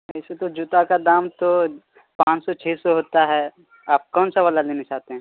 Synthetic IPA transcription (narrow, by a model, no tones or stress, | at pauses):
ɛɪset̪od͡ʒʊt̪akad̪aːmt̪o | pãːt͡ʃsɔt͡ʃʰeːsɔɦoːt̪aɦɛː | aːp̚kɔːnsaʋəlalenet͡ʃaːɦt̪eɦɛ̃ː